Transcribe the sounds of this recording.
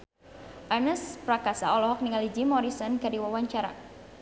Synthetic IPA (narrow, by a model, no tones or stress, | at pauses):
ʔanəspɾakasaɔlɔɦɔk̚niŋalid͡ʒimɔɾisɔnkadiwawaɲt͡ʃaɾa̰